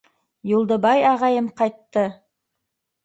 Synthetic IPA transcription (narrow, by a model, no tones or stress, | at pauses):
julˠd̪ə̆bɑjɑʁɑjəmqɑjt̪ːɤ